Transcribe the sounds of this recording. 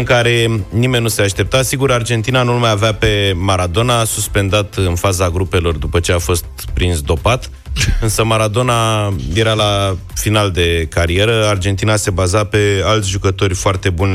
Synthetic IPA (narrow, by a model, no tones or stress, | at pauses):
ɨŋkaɾe̞nime̞nʲːuse̞aʃt̪e̞p̚t̪asiɡuɾard͡ʒe̞nt̪inanulmajaveape̞maɾad̪o̞nasuspe̞nd̪at̪ɨnfazaɡɾupe̞lo̞rd̪upət͡ʃe̞afo̞st̪̚pɾinsd̪o̞pat̪ | ɨnsəmaɾad̪o̞naje̞ɾalafinald̪e̞kaɾie̞ɾəard͡ʒe̞nt̪inase̞bazape̞alt̪sʲʒukət̪o̞rʲfoart̪e̞bunʲ